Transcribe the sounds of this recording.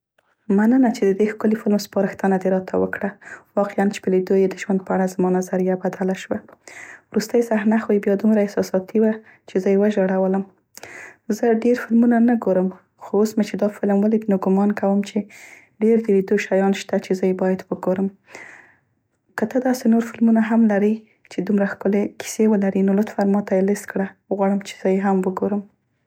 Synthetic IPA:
manənat͡ʃed̪əd̪exkʊlifɪlmspɑɾəxt̪ənad̪eɾɑt̪ʰawə̰kɽawɑqɪant͡ʃe̥pəlid̪ojed̪əʒwand̪̚pəaɽazmɑnazaɾijabad̪alaʃwawɾust̪əjsahnaxwəjbjɑd̪umɾaɪsɑsɑt̪iwa | t͡ʃezəjewəʒaɽawələm | zəɖeɾfɪlmunanaɡoɾəm | xoosmat͡ʃed̪ɑfɪlmwalid̪noɡʊmɑnkawəmt͡ʃe | ɖeɾd̪əlid̪oʃajɑnʃt̪at͡ʃezəjebɑjad̪wəɡoɾəm | kət̪əd̪ɑsenoɾfɪlmunaɦamlaɾi | t͡ʃed̪umɾaxkəlekʰi̥sewəlaɾinolʊt̪faɾmɑt̪ajelɪst̪kɽaɣwɑɽəmt͡ʃe̥z̥əjeɦamwəɡoɾəm

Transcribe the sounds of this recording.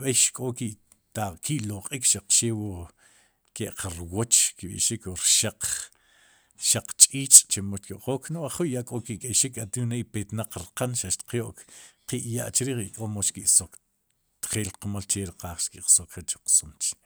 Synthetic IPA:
ɓejʃkʼokiʔ | t̪akiʔloqʼikʃaq͡χʃeːwo | keʔqʰaɾwot͡ʃkiɓḭʔʃikwoɾʃaq͡χ | ʃaq͡χt͡ʃʼiːt͡ʃʼt͡ʃemoʃtkiʔqoːkʰnoʔaχuʔjaʔkʼokiʔkʼeʃikat̪inejpet̪naq͡χɾqanʃaʃt̪i̥qjoʔkqiʔjaʔt͡ʃɾiːχikʼomoʃt͡ʃkiʔsok | t̪χeːlqmalt͡ʃeɾiqaːχʃkiʔqsokχet͡ʃu̥q͡χsomt͡ʃ

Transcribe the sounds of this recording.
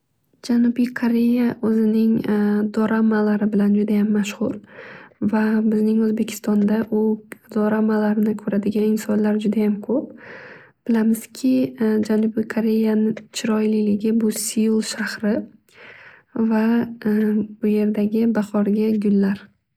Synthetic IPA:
d͡ʒanubijkʰoɾe̞jaʔɵzɪnɪŋd̪ɒɾʔamalaɾɪbɪland͡ʒʊd̪ajamːaʃhʊɾ | vabɪznɪŋɵzbe̞kʲʰɪ̥st̪ɒnd̪aʔʊd̪ɒɾamalaɾɪnɪkʰɵɾad̪ɪɡʲanɪnsɒnlaɾd͡ʒʊd̪ajamkʰɵp̚ | b̥ɪlamɪz̥kʲʰɪd͡ʒanubijkʰoɾe̞janɪt͡ʃʰɪɾɒjlɪlɪɡʲɪbʊsijulˠʃahɾɪ | va | ʊje̞ɾd̪aɡʲɪbaχɒɾɡʲaɡʲʊlːaɾ

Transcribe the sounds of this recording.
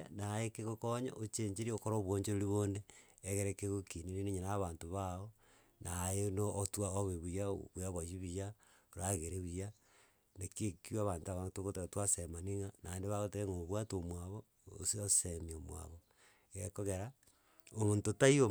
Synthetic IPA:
najekeɣokoɲa̰ʔot͡ʃeɲd͡ʒeɾiokoɾoβwoːɲt͡ʃeɾoɾiβoneːɣeɾekeɣokininineɲanaβaːntoβao | nʔajenoːtwaoβeβujaβujaβaʃiβija | oɾaɣeɾeβija | nekekiwaβaːntaβatoɣoteotwasemaniŋanʔaendeβaɣoteɾeŋoβwatomwaβo | o̰siosemiomwa̰βo | ekoɣeɾa | omoːntotaio

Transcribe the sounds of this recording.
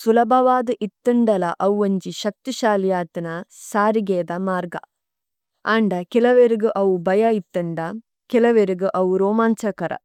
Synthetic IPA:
sulɐbʱɐʋaːd̪ɨʔit̪ːɐɳɖɐlɐʔɐwːɐɲd͡ʒiʃɐk̚t̪iʃaːljaːt̪inɐsaːɾiɡeːd̪ɐmaːɾɡɐ̰ | aːɳɖɐkɛlɐʋeɾuɡuʔɐʋubɐjɐit̪ːɐɳɖɐ | kɛlɐʋeɾuɡɯʔɐwuɾoːmaːnt͡ʃɐkɐɾʔɐ̰

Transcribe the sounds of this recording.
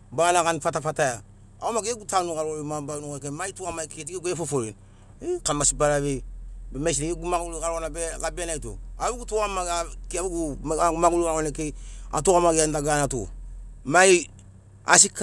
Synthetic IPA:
banakanfatafataja | a̰omaɡeeɡutanukaɾoɾimabanuokemaituamaiket̬ikeɡjefofoɾḭn | ekamasibaɾaβebemesineeɡumaulukaɾonabelabianaito̰aβuɡutuamaakiabuɡumaɡulukaɾonekea̰toamaɡiandaɡanato̰mai | a̰sik

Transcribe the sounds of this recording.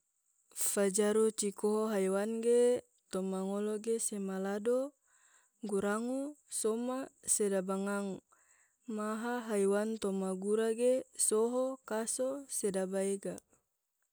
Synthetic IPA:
fad͡ʒaɾut͡ʃikoɦoɦajwanɡe | t̪ɔmaŋoloɡesemalado | ɡuɾaŋusomasedabaŋaŋ | maɦaɦajwant̪omaɡuɾaɡesoɦokasosedabaeɡa

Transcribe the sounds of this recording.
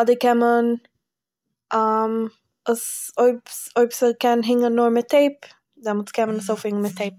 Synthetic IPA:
adəkɛmən | am | əsoɪpsoɪpsəkɛnɦɪŋənnʊɾmɪtʰːeɪp | dɛmʊt͡skɛmənəsoʊfhɪŋənmɪtʰeɪp̚

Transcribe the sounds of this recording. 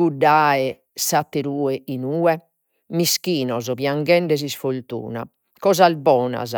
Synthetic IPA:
ɡuɖːaːɛ | sat̪ːeɾuːɛʔinuːɛ | miskiːnɔzɔβjaŋɡɛɳɖɛzisfolt̪ṵːna̰ | kɔːzalbɔːna̰z

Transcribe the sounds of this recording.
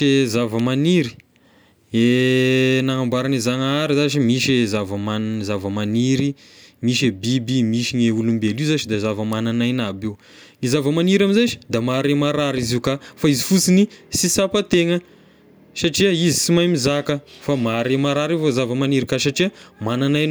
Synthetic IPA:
ezavəmaniɾi̥ | e | naŋambaɾanizaŋaɾizaʃimiʃezavəmanzavəmaniɾi | miʃebibimiʃiɲeulumbelizat͡ʃid̪azavəmananajnabew | ŋizavəmaniɾamizaʃi̥d̪amaɾemaɾaɾiziukafaizifut͡sinisisapət̪eŋə | saʈ͡ʂiəizit͡simajmizakəfamaɾemaɾaɾivozavəmaniɾikasaʈ͡ʂiəmananajna

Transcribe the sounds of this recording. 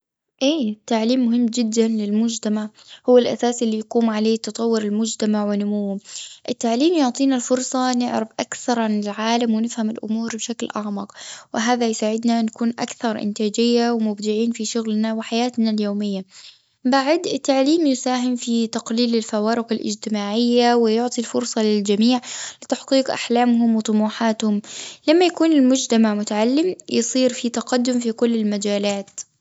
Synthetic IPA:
ʔeːt̪ːaʕliːmːʊɦɪmːd͡ʒɪd̪ːanlɪlmʊd͡ʒt̪amaʕ | hʊwːalʔa̰saːsʔɪlːijaquːmʕaleːt̪ɑt̪ˤɑwːʊɾɪlmʊd͡ʒt̪amaʕwɪnːʊmuwːʊmʔɪt̪ːaʕliːmjʊʕt̪ˤiːnalfʊɾˤsˤɑnɪʕɾɪfʔakθɑɾˤʕanɪlʕaːlamwɪnɪfhamɪlʔʊ̰muːɾbʃaklʔaʕmɑqwɪɦaːðajsaːʕɪd̪nanakuːnʔa̰kθɑɾˤʔɪ̰nt̪aːd͡ʒɪjːawɪmʊbd̪ɪʕiːnfiʃʊɣlnawɪħajaːt̪naljoːmɪjːa | baʕɪd̪ɪt̪ːaʕliːmjʊsaːɦɪmfit̪aqliːlɪlfawaːɾɪqɪlʔɪ̰d͡ʒt̪ɪmaːʕɪjːawɪjʊʕt̪ˤilfʊɾsˤɑlɪld͡ʒamiːʕlɪt̪aħqiːqʔa̰ħlaːmɦʊmwɪt̪ˤʊmuːħaːt̪hʊmlamːajakuːnɪlmʊd͡ʒt̪amaʕmʊt̪aʕalːɪmjɨsˤiːɾfit̪aqɑd̪ːʊmfikʊlːɪlmad͡ʒaːlaːt̪

